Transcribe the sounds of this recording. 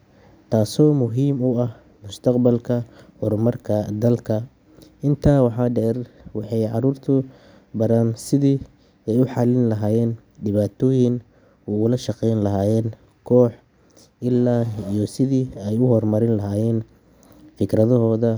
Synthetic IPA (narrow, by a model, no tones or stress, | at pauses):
t̪ʰaːsɔːmʊɦiːmʊɐh | mʊst̪ʰɐqbɐlkʰɐhʊrmɐrkʰɐd̪ɐlkʰɐ | ɪnt̪ʰaːwɑħɑːɖɛːrwɑħɑjʕɑruːrt̪ʰʊ | bɐɾaːnsɪðiː | ɛjʊħɑlɪnlɐɦaːjɛːn | ɖɪβaːt̪ʰɔːjɪn | uːʊlɐʃɑqɛjnlɐɦaːjɛːn | kʰɔːħ | ɪlːaːijɔsɪðiːɛjʊɦɔrmɐɾɪnlɐɦaːjɛːn | fɪkrɐðɔɦɔːðɐ